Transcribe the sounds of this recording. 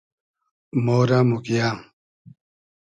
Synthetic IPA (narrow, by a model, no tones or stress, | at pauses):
moɾamukjaŋ